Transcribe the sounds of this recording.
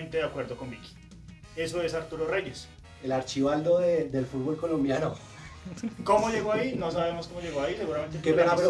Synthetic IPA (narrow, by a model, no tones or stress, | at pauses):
nt̪eðeakwe̞ɾd̪oko̞mbiki̥ | e̞soesaɾt̪uɾore̞ʝes | elaɾt͡ʃiβald̪oðed̪elfud̪̚bo̞lko̞lombjano | komoʝe̞ɣoaino̞saβe̞moskomoʎeɣoais̬e̞ɣuɾament̪ekepeɣalo